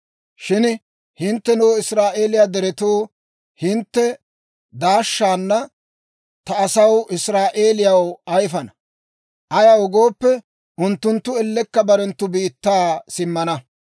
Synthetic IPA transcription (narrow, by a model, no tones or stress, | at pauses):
ʃɪn | hɪnt̪ːɛnʊwɪsɾaːʔe̞ːlɪjaːd̪ɛɾɛt̪oː | hɪnt̪ːɛ | d̪aːʃːaːnːɐ | t̪ɐːsɐwɪsɾaːʔe̞ːlɪjɐwɐjfɐnɐ | ʔɐjɐwɔɡo̞ːpːɛ | ʔʊnt̪ːʊnt̪ːʊɛlːɛkːɐbɐɾɛnt̪ːʊbiːt̪ːaːsɪmːɐnɐ